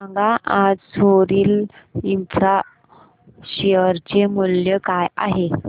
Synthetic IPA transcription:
aŋɡãʔad͡zsʰoɾiːl | infɾa | ɕeəɾt͡ɕemuljəkaja̰ɦe

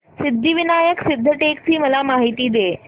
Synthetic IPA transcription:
sɪd̪ʱːiʋinaːjəksɪd̪ʱːəʈeːkt͡ɕiːməlamaːɦit̪iːd̪eː

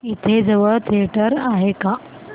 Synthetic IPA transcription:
it̪ʰed͡zəʋət̪ʰeʈəɾaɦeka

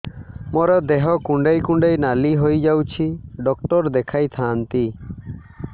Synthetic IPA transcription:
mɔɾɔd̪ɛɦɔkuɳɖejkũɳɖejnaliɦojd͡ʒawt͡ʃʰiɖɔk̚ʈɔɾd̪ɛkʰajt̪ʰaːnt̪i

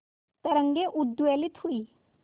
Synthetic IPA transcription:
t̪əɾəŋɡeʔud̪ːuʋɛlit̪hui

